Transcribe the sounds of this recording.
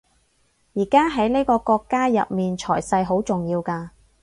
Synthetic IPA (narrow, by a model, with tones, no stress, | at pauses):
jiː˨˩kaː˥ɦɐ˨˥jneː˥kɔː˧kɔː˧kːaː˥jɐ̰˨p̚miː˨nt͡ʃʰɔː˨˩jsɐ˧jɦo˨˥wt͡sʊ˨ŋjiː˧wkaː˧